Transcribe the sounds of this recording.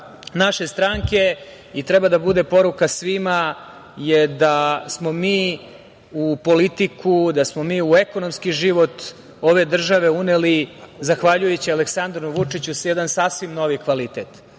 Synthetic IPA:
naʃe̞st̪ɾaŋke̞ | it̪ɾebad̪abud̪e̞po̞ɾukasʋima | jed̪asmo̞miː | upo̞lit̪ikud̪asmo̞miːue̞kono̞mskiʒiʋo̞t̪ | o̞ʋe̞d̪r̩ʒaʋe̞unelizaxʋaʎujet͡ɕialeksand̪ɾnuʋut͡ʂit͡ɕusjɛd̪ansasʋimno̞ʋikʋalit̪et̪

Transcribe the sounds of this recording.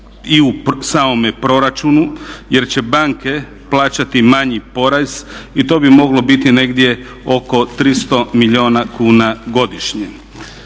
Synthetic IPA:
iusaːmo̞mepɾo̞ɾat͡ʃunuje̞ɾt͡ɕe̞baŋke̞ | plaːt͡ɕat̪imaɲipo̞ɾaz̥it̪o̞ːbimo̞ɡlo̞bit̪ine̞ɡd̪je̞ | o̞ko̞t̪ɾist̪o̞miʎio̞ːnakuːnaɡo̞d̪iʃɲe

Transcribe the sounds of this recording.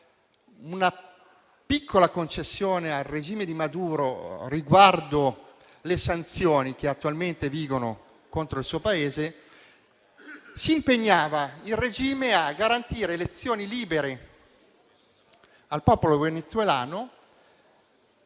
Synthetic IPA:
una | pikʰːolakont͡ʃesːjoːnealred͡ʒiːmed̪imad̪uːɾoriɡward̪o | lesant̪sjoːnik̟eat̪ːualment̪eviːɡono̰ | kont̪ɾoilsuːopaeːze | siːmpeɲːaːvailred͡ʒiːmeaɡːaɾant̪iːɾeːlet̪sːjoːniliːbeɾe | alpɔːpolovenet̪suwela̰ːno

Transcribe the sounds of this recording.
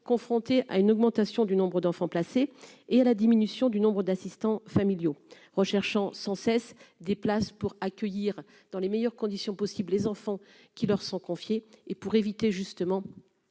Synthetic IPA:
kɔ̃fχɔ̃t̪eʔa̰ynɔɡmɑ̃t̪asjɔ̃d̪ynɔ̃bʁəd̪ɑ̃fɑ̃plaseealad̪iminysjɔ̃d̪ynɔ̃bʁəd̪asist̪ɑ̃familjo | ʁəʃɛʁʃɑ̃sɑ̃sɛsd̪eplaspuʁakʲœjiʁ | d̪̥ɑ̃lemɛjœʁkɔ̃d̪isjɔ̃pɔsibllezɑ̃fɑ̃ | kʲilœʁsɔ̃kɔ̃fjeːpuʁevit̪eʒyst̪əmɑ̃

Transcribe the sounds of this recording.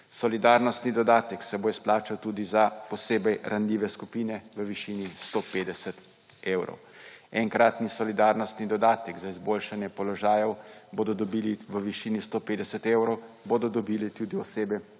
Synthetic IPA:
sɔlid̪aːɾnɔst̪nid̪ɔd̪aːt̪ɛksɛboːsplaːt͡ʃawt̪uːd̪izapɔseːbɛjɾʔanlʲiːʋɛskupiːnɛʋəʋiʃiːnist̪oːpeːd̪ɛsɛt̪ | eːwɾɔ̰w | ɛŋkɾat̪nisɔlid̪aɾnɔst̪nid̪ɔd̪aːt̪ɛɡzaizbolʃanjɛpɔlɔʒaːjɛwboːd̪ɔd̪ɔbiːliʋəʋiʃiːnist̪oːpeːd̪ɛsɛt̪ewɾɔwboːd̪ɔd̪ɔbiːlit̪uːd̪iɔseːbɛ

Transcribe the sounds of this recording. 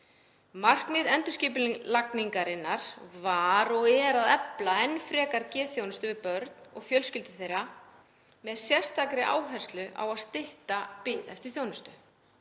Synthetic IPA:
mar̥kmɪðɛnt̪ʏsciːpʏllakniŋkaɾɪnːaɾ̥vaɾɔɣɛːɾaðɛplaɛnːfɾɛːkaɾcɛːθjownʏst̪ʏvɪðpœɾt̪nɔ̰ɣfjœlscɪlt̪ɪ̥θejɾa | mɛðsjɛr̥st̪akɾɪʔa̰ːwɦɛr̥st̪lʏʔa̰waðst̪ɪht̪apɪðɛft̪ɪɾ̥θjownʏst̪ʏ

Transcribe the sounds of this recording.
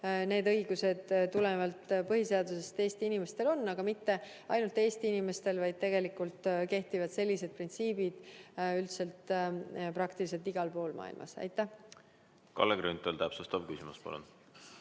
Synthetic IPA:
ne̞ːd̪ɤ̞jɡuse̞d̪̥tːulevɑlt̪pɤɦise̞ɑd̪use̞st̪e̞ːst̪iinime̞st̪e̞lo̞nːɑɡ̥ɑmit̪ːe̞ | ɑjnult̪ˑe̞ːst̪iinime̞st̪e̞lvɑjd̪̚t̪e̞ɡe̞likːult̪ke̞ht̪ivɑd̪se̞lʲːise̞d̪̚print̪siːbid̪̥ylt̪se̞lt̪prɑkt̪ilis̬e̞lt̪iɡ̥ɑlpo̞ːlmʔɑ̰ːḭlmʔɑ̰sɑ̰jt̪ːˑæh | kɑ̰lːeɡɾynt̪ːˑolt̪æpsust̪ɑvkysimuspɑ̰lṵn

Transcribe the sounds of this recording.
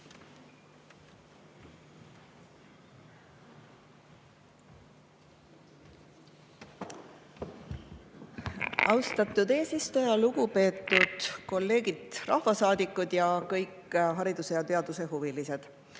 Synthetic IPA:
ɑwst̪ɑt̪ːˑud̪e̞ːsist̪ujɑluɡ̥upe̞ːt̪ːˑud̪̥ko̞lːe̞ːɡ̥id̪̥rʔɑ̰hvɑsɑːd̪ikːˑud̪̥jɑkɤjkːɦɑɾid̪use̞jɑt̪e̞ɑd̪̥useɦuvilise̞d̪̥

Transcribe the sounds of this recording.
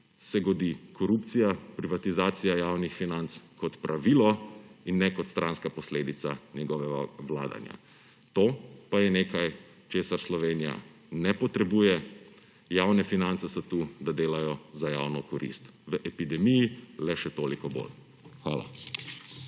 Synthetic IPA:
sɛɡɔd̪ikʰɔɾupt̪sijapɾiʋat̪izaːt̪sijajaːwnixfinant̪skɔt̪pɾʔaʋiːlɔinːɛkɔt̪st̪ɾʔanskapɔsleːd̪it̪sanjɛɡɔʋɛaʋla̰ːd̪a̰nja̰ | t̪oːpajɛneːkaj | t͡ʃeːsaɾslɔʋeːnija̰ | nɛpɔt̪ɾɛbuːjɛ | jawnɛfinant̪sɛsɔt̪ud̪ad̪eːlajɔzajawnɔkɔɾḭst̪ʋəʔɛpid̪ɛmijilɛʃɛt̪oːlikɔbo̰l | xʋaːla̰

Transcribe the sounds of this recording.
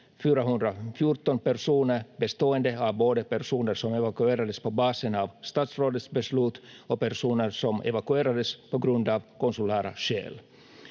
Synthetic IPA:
fyːɾaɦɵnd̪ɾafjuɾt̪ɔnpæɾʂuːnəbɛst̪oːənd̪əɑvboːd̪əpæɾsuːnəɾʂɔmɛvakʉeːɾad̪əspɔbɑːsənɑːvst̪ɑːt̪sroːd̪ət̪sbɛslʉːt̪ɔpæɾʂuːnəɾsɔmɛ̰vakʉeːɾad̪əspɔɡɾɵnd̪ɑːvkɔnsʊlæːɾa̰ɕḛːl

